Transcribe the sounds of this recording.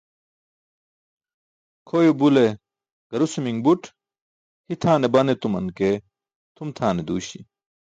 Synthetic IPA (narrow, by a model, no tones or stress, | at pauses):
kʰoːjubule | ɡ̥ɐɾusumiŋbuʈʰ | hit̪ʰaːnebɐnet̪umɐnke | t̪ʰumt̪ʰaːned̪uːɕḭ